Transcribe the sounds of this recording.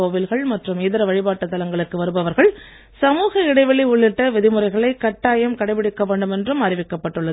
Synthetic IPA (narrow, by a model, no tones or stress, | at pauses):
oːʋɪlɣɐɭmɐʈrɯmeːðɪɾɐʋɐɻɪbaːʈːɐt̪ːɐlɐŋɡɐɭɯkːɯʋɐɾɯbɐʋɐɾɣɐɭ | sɐmuːɣɐɪɽɐɪʋɐɭiʊɭːɪʈːɐʋɛðɪmɯrɐɪɣɐɭɐɪkɐʈːaːjɐmkɐɽɐɪpɪɽɪkːɐʋeːɳɖɯmɛndrɯmɐrɪʋɪkːɐpːɐʈːɯɭːɐ